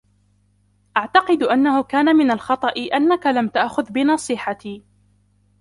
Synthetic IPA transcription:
ʔaʕt̪ɑqɨd̪ʔanːahʊkaːnamɪnalxɑt̪ˤɑʔɪʔanːakalamt̪aʔxʊðbɪnɑsˤiːħat̪iː

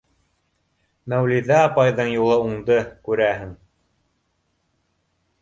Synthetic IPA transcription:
mæwliðæːpɑjðɤɴjulˠɤuɴd̪ɤkʉɾæɦɘŋ

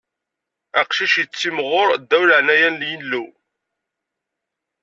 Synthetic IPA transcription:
æqʃiʃjət͡sːimʁʊɾd̪ːæwləʕnæjænljənlːu

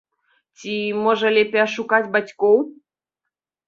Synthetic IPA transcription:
t͡sʲimoʒɐlʲepʲeaʃukatʲbat͡sʲkow

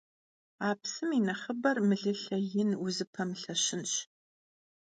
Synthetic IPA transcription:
aːpsɨminɐχəbɐrmɨɮɨɬɐjɪnuzɨpʰɐmɬɐɕɪnɕ

